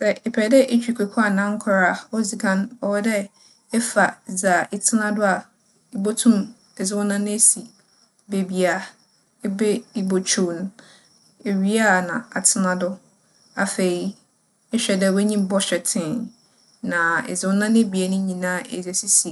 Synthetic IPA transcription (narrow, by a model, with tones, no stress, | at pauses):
sɛ˦ʔɪ˨pʰɛ˨dɛ˦ʔe˦t͡ɕᶣi˨kʷʰe˨kʰʊ˦a˨nã˦ŋ̩˦kʰʊ˦ɾa˦˨ɔ˦zi˨kʰã˦n˦ɔ˨wɔ˦dɛ˦ | ɛ˦fa˨za˨ɪ˦tʰɪ˦nã˦dʊ˦a˨ | i˦bo˦tʰũ˦m | ɛ˨zɪ˦wʊ˦nã˦nɪ̃˦e˦si˨ | be˨bi˨a˨ | e˦be˦i˦bo˨t͡ɕʰũ˨ñ˦ | e˨ɥi˦a˦nã̰˨a˨tʰɪ˦nã˨dʊ˦ | a˨fe˨i˦ | ɛ˦ɕᶣɛ˨dɛ˦˨wɛ˦ɲĩ˦bɔ˦ɕᶣɛ˨tʰɪ̃˦˨ | nã˨ɪ̰˨zɪ˨˦wʊ˦nã˦nɪ̃˦bi˨e˨nʊ̃˦ɲĩ˨nã˦˨ʔḛ˨zɛ˨si˦si˨